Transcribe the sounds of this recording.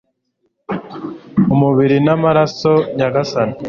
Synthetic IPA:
umuβiɾinamaɾaso̞ɲaɡasane

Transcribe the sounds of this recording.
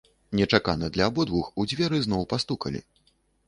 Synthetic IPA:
nʲɛt͡ʂaka̰nɐd̪lʲɐːbɔd̪vuxud͡zʲvʲɛɾɨznɔwpast̪ukɐ̰lʲḭ

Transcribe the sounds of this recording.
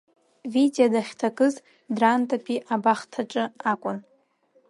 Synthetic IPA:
videadaχʲtʰakʼɨz | drantʼapʰʼiʔabaχtʰaʈ͡ʂʼɨakʷʼʊn

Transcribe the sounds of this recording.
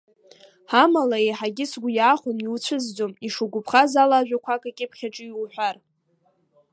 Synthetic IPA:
amalaeħaɡʲɪsɡʷʊjaːχʷʊniwut͡ɕʷʰɨzd͡zomiʂuɡʷʊpʰχazalaʒᶣakʷʰakʼakʲʼɪpʰχʲaʈ͡ʂʼɨjwħʷᶣar

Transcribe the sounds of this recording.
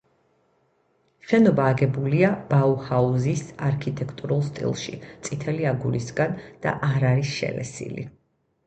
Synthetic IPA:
ʃɛnɔbaːɡɛbuliab̥auhauzisaɾkʰit̪ʼɛkʰt̪ʼuɾulˠst̪ʼḭlˠʃḭt̪sʼit̪ʰɛliaɡuɾisɡand̪̥a̰ʔaɾaɾisʃɛ̰lɛ̰sḭlḭ

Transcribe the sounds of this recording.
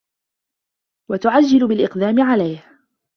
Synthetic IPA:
wat̪ʊʕad͡ʒːɪlʊbɪlʔɪqd̪aːmɪʕalajh

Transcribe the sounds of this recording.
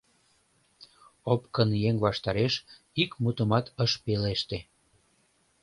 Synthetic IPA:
opkənjeŋβɑʃt̪ɑɾeʃ | ikmut̪əmɑt̪əʃpeleʃt̪e

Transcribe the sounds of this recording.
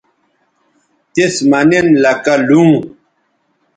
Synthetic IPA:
t̪esmɐnenlɐkɐlũː

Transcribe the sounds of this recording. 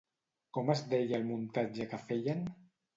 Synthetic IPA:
kɔmazd̪ejalmunt̪ad͡ʒəkafeʎan

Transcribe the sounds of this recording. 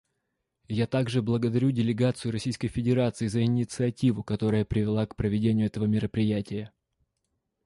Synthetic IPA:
jat̪aɡʐɨblˠəɡəd̪ɐɾʲudʲɪlʲɪɡat̪sɨjʊɾɐsʲijskəjfʲɪdʲɪɾat̪sɨɪzəɪnʲɪt̪sɨɐtʲivʊkɐt̪o̞ɾəjəpɾʲɪvʲɪlˠakpɾəvʲɪdʲenʲɪjʊɛt̪əvəmʲɪɾəpɾʲɪjætʲɪjə

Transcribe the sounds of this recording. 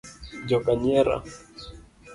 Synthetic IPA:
d͡ʒokaɲeɾa̰

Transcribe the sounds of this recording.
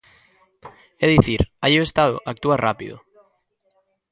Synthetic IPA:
ɛðiθiɾajoest̪aðo̰ʔak̚t̪uarʔapiðo̰

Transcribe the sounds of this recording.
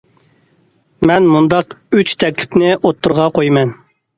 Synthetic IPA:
mɛnmund̪ɑqyt͡ʃt̪ʰɛkʲlʰɪ̥pnɪʔot̪ʰːuɾʁɑqʰojmɛn

